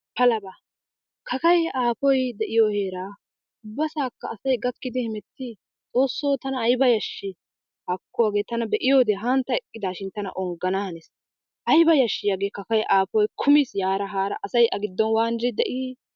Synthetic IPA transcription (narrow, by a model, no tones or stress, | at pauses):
pɐlɐba | kʰɐkɐjaːpɔjd̪ɛʔɪjoːhe̞ːɾaː | ʊbːɐsaːkːɐːsɐjɡɐkːɪd̪ɪhɪmɛt̪ːɪ | t͡sʼo̞ːsːowt̪ɐnɐːjbɐjɐʃːɪ | hɐkːɔwaːɡe̞ːt̪ɐnɐbɛʔɪjoːd̪ɛɦɐnt̪ːɐɛkʼːɪd̪aːʃɪnt̪ɐnɐ̰ʔɔŋɡɐnahɐnɛs | ʔɐjbɐjɐʃːɪjaɡeːkɐkɐjʔaːpɔjkʰʊmisjaːɾɐɦaːɾɐ̰ʔɐsɐjʔɐɡɪd̪ːɔnwaːnd͡ʒɪd̪ɛʔɪ